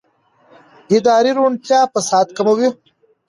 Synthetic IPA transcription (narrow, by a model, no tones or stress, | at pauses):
id̪aːɾiɾuɳʈʰjaːpəsɑːt̪kɐmɐwi